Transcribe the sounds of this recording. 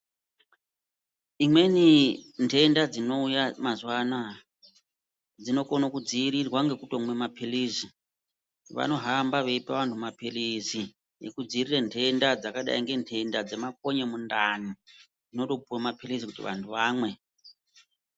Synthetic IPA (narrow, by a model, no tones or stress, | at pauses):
imwe̞nintʰe̞ndad͡zino̞ujamazwana | d͡zino̞konokud͡ziːɾirwaŋɡe̞kuto̞mwe̞mapʰiliːzi | ʋa̰no̞ɦambaʋeipaʋantʰumapilizi | jḛkud͡ziːrirentʰe̞ndad͡zakaɗa̰iŋɡe̞ntʰe̞ndad͡zemak̚o̞ɲemundani | d͡zino̞to̞puwamapʰilisikutḭʋa̰ntʰuʋaːmwe̞